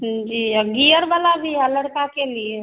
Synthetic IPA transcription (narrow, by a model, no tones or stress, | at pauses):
d͡ʒiːɡijəɾbalabʱiələɽkakelije